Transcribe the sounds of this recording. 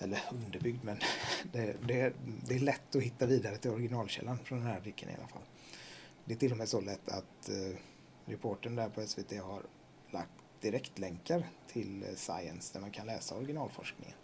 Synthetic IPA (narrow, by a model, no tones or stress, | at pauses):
ʔɛlːəɾɵnd̪əɾbʏɡd̪mɛnd̪ɛd̪ɛd̪ɛːɭɛt̪ːɔhɪt̪ːaviːd̪aɾət̪ʰɪlɔɾɡɪnɑːlɕɛ̰lːanfɾɔnd̪ɛnhæːɾblɪkʰːə̰nɪ̰a̰la̰fa̰lː | d̪ɛæʈʰɪlːɔmɛːsɔlɛt̪ʰːa̰t̪ | ɾɛpʰoːʈənd̪æɾpʰɔɛsveːt̪ʰeːhaɾ | la̰kt̪d̪ɪɾɛkt̪lɛŋkaɾt̪ʰɪlsa̰ɪə̰nsd̪æɾmankʰanlɛ̰ːsaɔɾɡɪnɑːlfɔ̰ʂknɪ̰ŋə̰n